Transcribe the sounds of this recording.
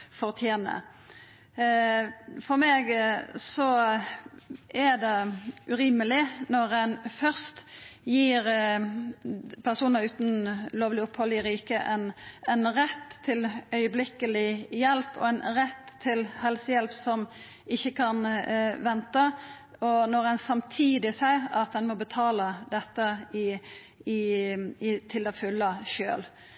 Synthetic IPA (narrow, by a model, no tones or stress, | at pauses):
fɔʁt̪ʰjeːnə̰ | fɔʁmeːɡsɔ | ʔæd̪ɛʔʉɾɪməlɪnɔʁɛnfœʁst̪jiːɾ | pʰæʁsuːnəʁʉːt̪n̩loːʋlɪʊphɔlɪʁiːkəʔɛnɛnʁɛt̪ʰːɪlœʏəblɪkəlɪjɛlpɔ̰ɛnʁɛt̪ʰːɪlhɛlsəjɛlpsɔm | ɪçːəkʰɑnʋɛnt̪ə | ɔnɔʁɛnsɑmt̪ʰiːd̪ɪsæɪɑt̪d̪ɛnmɔbət̪ʰɑːləd̪ɛt̪ːəɪ | ɪɪt̪ʰɪld̪ɛfʉlːəʃø̰ːl